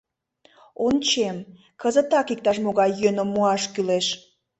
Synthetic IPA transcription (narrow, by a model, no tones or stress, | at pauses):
ont͡ɕem | kəzət̪ɑkik̚t̪ɑʃmoɣɑjːønomːuɑʃkyleʃ